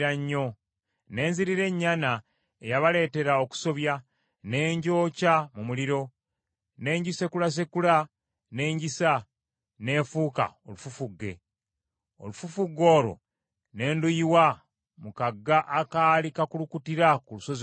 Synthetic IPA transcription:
aɲːo̞ | ne̞ːnziɾiɾe̞ɲːana | ejaβale̞ːte̞ɾao̞ku̥so̞βja | ne̞ːɲɟo̞ːcamumuliɾo̞ | ne̞ːɲɟise̞kulas̬ekula | ne̞ːɲɟisa | ne̞ːfuːka̰o̞̰lufufuɡːe̞̰ | o̞̰lufufuɡːo̞ːɾo̞̰ | ne̞ːndujiwa | mukaɡːaʔakaːlikakulukutiɾakuluso̞z

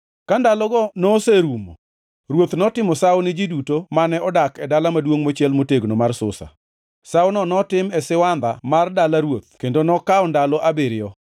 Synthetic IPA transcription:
kandalɔɡɔnɔseɾumo̰ | ɾwot̪nɔtɪmɔsawnɪd͡ʒidutomanɛɔdakɛdalamadwoŋmot͡ʃɛlmoteɡnomarsʊ̰sa̰ | sawnɔnɔtɪmɛsɪwand̪a̰mardalaɾwot̪̚kendonɔkaɔndalɔʔabeɾɪɔ

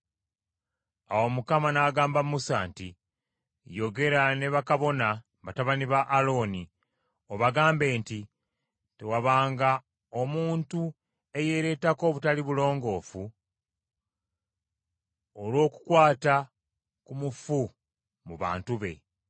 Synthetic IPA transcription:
awomukamanaːɡaːmbamusanti | jo̞ɡe̞ɾane̞βakaβo̞na | βataβaniβaʔːlo̞ːni | o̞βaɡaːmbe̞ːnti | te̞waβaːŋɡa | o̞muːntu | e̞je̞ɾe̞ːtako̞ːβutaliβulo̞ːŋɡo̞ːfu | olwo̞ːku̥kwaːta | kumufu | muβa̰ːntuβe̞̰

